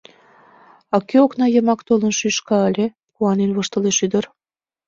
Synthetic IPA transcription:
ɑkøoknɑjə̆mɑkt̪olənʃyʃkɑəlʲe | kuɑnenβəʃt̪ə̆leʃyd̪ə̆r

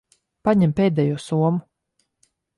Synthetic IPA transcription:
paɲɛmpʲeːd̪ʲɛjuɔsuɔmu

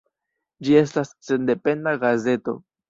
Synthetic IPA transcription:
d͡ʒie̞s̬tasːe̞nde̞pe̞ndaɡaze̞to̞̰

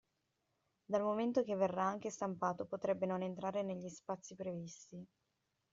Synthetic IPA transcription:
d̪almoment̪ok̟evːerːaaŋk̟est̪ampaːt̪opot̪ɾɛbːenonent̪ɾaːɾeneʎːispat̪sːipɾevist̪i

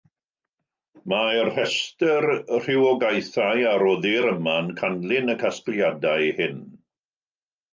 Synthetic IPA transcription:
marhɛstərr̥ɪwɔɡajθajaɾɔðɪɾəmankʰanlˠɪnəkʰasklˠjadajhɪn

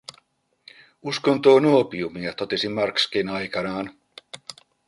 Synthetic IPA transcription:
uskont̪oːnuopiumiet̪o̞t̪esimɑrkskinɑjkɑnɑːn

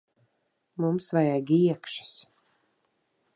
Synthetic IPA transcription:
mumsvajaɡʲiɛkʃi̥s

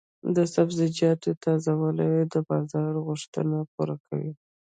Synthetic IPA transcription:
d̪əsabzɪd͡ʒjɑt̪ot̪ɑzawalawed̪əbɑzɑɾɣʊʂt̪ə̰napuɾakʰa̰wḭ

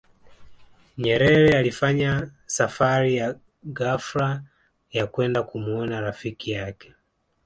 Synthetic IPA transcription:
ɲɛɾɛɾɛalifaɲasafaɾija | ɡafɾa | jakwɛndakumuɔnaɾafikijakɛ̥

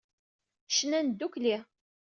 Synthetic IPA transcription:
ʃənænd̪ːukli

